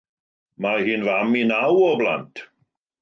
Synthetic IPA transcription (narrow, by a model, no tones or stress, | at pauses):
mahiːnvaminawɔbla̰ntʰ